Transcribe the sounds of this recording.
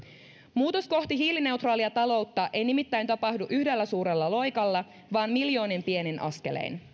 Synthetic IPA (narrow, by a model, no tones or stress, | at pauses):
muːt̪o̞sko̞ht̪iɦiːline̞wt̪rɑːliɑt̪ɑlo̞wt̪ːɑʔe̞jnimit̪ːæjnt̪ɑpɑhduʔyhde̞lːæsuːɾe̞lːɑlo̞jkɑlːɑ | ʋɑːnmiljo̞ːnimpie̞nenʔɑ̰ske̞̰lḛjn